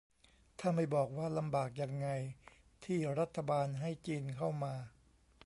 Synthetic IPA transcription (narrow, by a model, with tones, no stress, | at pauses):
t̪ʰaː˥˩ma˥˩jbɔː˨˩k̚waː˥˩la˧mbaː˨˩k̚ja˧ŋːa˧j | t̪ʰiː˥˩ɾa˦˥t̪ʰːa˧baː˧nɦa˥˩jt͡ɕiː˧nkʰa˥˩wmaː˧